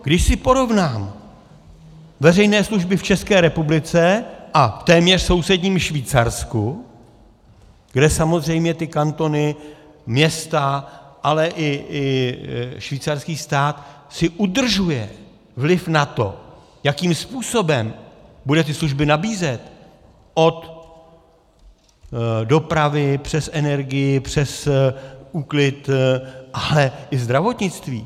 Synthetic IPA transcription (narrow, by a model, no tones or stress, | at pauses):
ɡdɪʃsɪpo̞ɾo̞vnaːm | vɛrɛjnɛːsluʒbɪft͡ʃɛskɛːɾɛpublɪt͡sɛʔaft̪ɛːmɲɛr̥so̞wsɛdɲiːmʃviːt͡saɾsku | ɡ̥dɛsamo̞zr̝ɛjmɲɛt̪ɪkant̪o̞nɪ | mɲɛst̪aʔalɛʔɪʔɪ | ʃviːt͡sarskiːst̪aːt̪ | sɪʔud̪r̩ʒujɛ | vlɪfnat̪o̞ | jakiːmspuːso̞bɛmbudɛt̪ɪsluʒbɪnabiːzɛt̪ | ʔo̞t̪ | do̞pɾavɪpr̝̥ɛsʔɛnɛɾɡɪjɪpr̝̥ɛs | uklɪt̪ʔalɛʔɪzd̪ɾavo̞t̪ɲɪt͡st̪viː